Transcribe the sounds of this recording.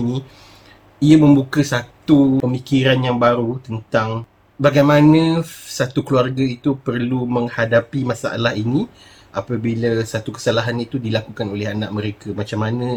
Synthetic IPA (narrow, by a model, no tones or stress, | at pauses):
nĩ | iamə̃mbukəsat̪uəmikiɾanjaŋbaɾut̪ənt̪aŋ | baɡajmãnə̃sat̪ukluarɡəit̪upərluməŋhadapimãsa̰ʔa̰lahinĩ | apəbilasat̪ukə̥salaɦanit̪udilakukanolɛɦanaʔmə̃ɾekəmat͡ʃamːanə̃